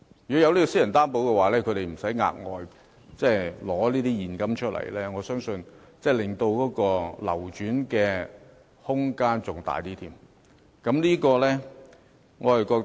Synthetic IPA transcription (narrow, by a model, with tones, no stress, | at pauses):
jy˨˩ɔ˦˥jɐ˨˧wliː˥kɔ˧si˥jɐ˨˩nt̪aː˥npo˨˥wkɛ˧waː˨˩lɛː˥kʰɵ˨˧ɾe˨jm̩˨˩sɐ˨˥jŋa̰ː˧k̚ŋɔː˨j | t͡sɛː˥˩jlɔː˨˥liː˥t̪iː˥jiː˨˩nkɐ˥mt͡ʃʰɵ˥t̚lɐ̰˨˩jlɛː˥ŋɔː˨˧sœː˥ŋsɵ˧n | t͡sɛː˥˩jlɪ˨ŋt̪o˧wkɔː˨˥kɔː˧lɐ̰˨˩wt͡ʃyː˨˥nkɛː˧ | hʊ˥ŋkaː˥nt͡sʊ˨ŋt̪a̰ː˨jt̪iː˥t̪ʰiː˧˩m | kɐ˨˥mliː˥kɔː˧lɛː˥ | ŋɔː˨˧hɐ˨jkɔː˧